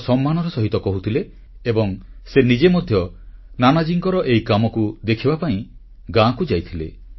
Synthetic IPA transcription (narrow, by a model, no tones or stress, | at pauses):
sɔmːanɔɾɔsɔɦit̪ɔkɔɦut̪ʰileː | bɔŋsenid͡ʒemɔd̪ʱjɔ | nanad͡ʒiŋkɔɾɔʔejkamɔkud̪ekʰibapaĩ | ɡãkud͡ʒajt̪ʰilḛ